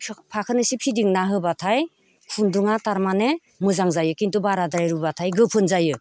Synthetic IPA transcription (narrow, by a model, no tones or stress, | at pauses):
pʰakʰɯnɯsipʰidiŋnaɦɯbatʰaj | kʰunduŋataɾmane | mɯzaŋzajɯkintubaɾadaɾaɾubatʰajɡɯpʰɯnzajɯ